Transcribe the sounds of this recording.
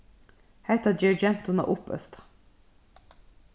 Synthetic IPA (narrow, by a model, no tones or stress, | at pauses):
hæɪt̪ɑd͡ʒɛɹd͡ʒɛnt̪ʊnɑ̰ʔʊpœ̰st̪ɑ̥